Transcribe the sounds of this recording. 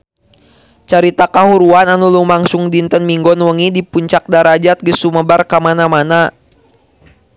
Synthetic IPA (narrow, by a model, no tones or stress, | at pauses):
t͡ʃaɾit̪akaɦuɾuananulumaŋsʊŋdint̪ənmiŋɡɔnwəŋidipuɲt͡ʃak̚daɾad͡ʒat̪̚ɡəsuməbarkamanamana